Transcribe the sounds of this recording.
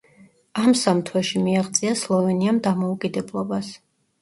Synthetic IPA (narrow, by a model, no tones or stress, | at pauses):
amsamt̪ʰwɛʃimiaʁt̪sʼiaslˠɔvɛniamd̪amɔukʼid̪ɛblˠɔbas